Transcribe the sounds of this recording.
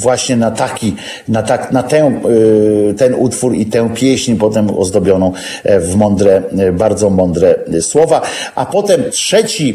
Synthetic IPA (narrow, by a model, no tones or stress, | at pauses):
vwaɕɲɛnat̪akʲi | nat̪aknat̪ɛ̃ | t̪ɛnʔut̪fuɾit̪ɛ̃w̃pʲjɛɕɲpɔt̪ɛmɔ̰zd̪ɔbʲjɔnɔ̃w̃ | vmɔnd̪ɾɛbaɾd̪zɔmɔnd̪ɾɛswɔvaʔapɔt̪ɛmtʂɛt͡ɕi